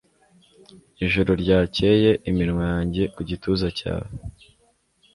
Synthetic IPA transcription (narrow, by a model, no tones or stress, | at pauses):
iʒuɾoɾɟaːce̞ːje̞ʔimiɾŋwajaːɲɟe̞kuɟituːzaca̰ːwe